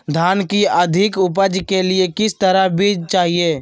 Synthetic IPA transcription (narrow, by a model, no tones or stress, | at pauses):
d̪ʱaːnkiəd̪ʱɪkʊp̬əd͡ʒkelɪekɪst̪əɾabʱid͡ʒt͡ʃaːɦieː